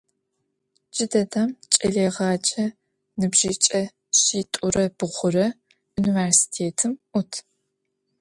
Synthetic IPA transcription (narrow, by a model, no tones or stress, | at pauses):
d͡ʒɪdɐdamt͡ʃʼɐɮeːʁɑːt͡ʃʼɐ | nɨbʒiːt͡ʃʼɐ | ɕiːtʼʊrɐb̥ɨʁʷʊrɐ | univeːrsi̥tʰeːtʰɨmʔʊtʰ